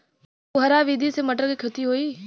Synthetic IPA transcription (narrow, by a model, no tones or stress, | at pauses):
ʊɦəɾaʋiːd̪ʱisemɐʈəɾkekʰet̪iɦoːiː